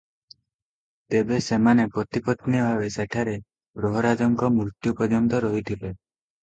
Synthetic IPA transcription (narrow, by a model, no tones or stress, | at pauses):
t̪ebesemanepɾɔt̪ipɔt̪niɔbʱabeseʈʰaɾe | bɾoɦɔɾad͡ʒɔŋkɔmuɾt̪jupɔd͡ʒɔnt̪ɔɾɔɦit̪ʰile